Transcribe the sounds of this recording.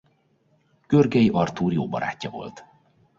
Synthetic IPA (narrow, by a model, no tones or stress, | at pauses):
ɡ̥ørɡɛjiʔɒrt̪uːrjoːbɒ̰ɾa̰ːcːɒvo̞̰lt̪